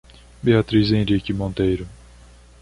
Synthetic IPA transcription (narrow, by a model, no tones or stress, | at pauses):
beat̪ɾizẽɾikɪmõnt̪ejɾʊ